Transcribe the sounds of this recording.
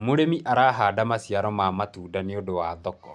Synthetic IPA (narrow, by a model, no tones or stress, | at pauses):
moɾemiʔaɾaːɦaːdamasiaɾɔmamatuːdaneodowaːðɔkɔ